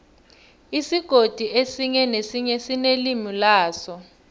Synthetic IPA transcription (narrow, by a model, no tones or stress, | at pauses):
isiɡ̥ʱod̥ʱiʔesiɲɛnesiɲɛsinelimilaːsɔ